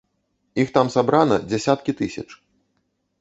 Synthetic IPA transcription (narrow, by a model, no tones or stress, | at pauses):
ixt̪amsabɾanɐd͡zʲasʲat̪kʲit̪ɨsʲɐ̰t͡ʂ